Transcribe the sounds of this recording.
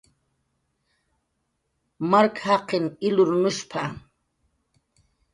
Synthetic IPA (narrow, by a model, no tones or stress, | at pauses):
maɾkhɑqɪŋɪlʊɾʊnʊʃpʰa